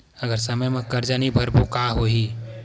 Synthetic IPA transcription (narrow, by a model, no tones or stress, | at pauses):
əɡəɾsəməjmẽkəɾd͡ʒanibʱəɾbʱokaɦoɦi